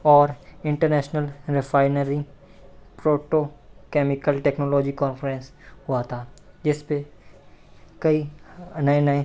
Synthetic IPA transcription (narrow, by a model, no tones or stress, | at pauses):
ɔːɾɪ̃ɳʈəɾnɛːʃnəlɾɪfaːɪnəɾi | pɾoːʈokɛːmɪkəlʈɛːknoːlɔːd͡ʒikɔːnfəɾɛ̃nshʊat̪ʰaː | d͡ʒɪspe | kɐinɐenəe